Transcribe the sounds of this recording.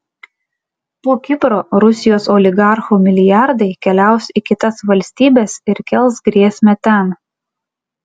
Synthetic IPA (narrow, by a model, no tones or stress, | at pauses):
poːkʲɪpɾoːɾʊsʲɪjoːsɔlʲɪɡɑˑɾxuːmʲɪlʲɪjɑɾd̪ɐɪkʲɛlʲæˑʊsɪkʲɪt̪ɐsʋɐlʲsʲt̪ʲiːbʲeːsɪɾkʲɛlˠˑsɡɾʲiɛsʲmʲɛt̪ʲɛn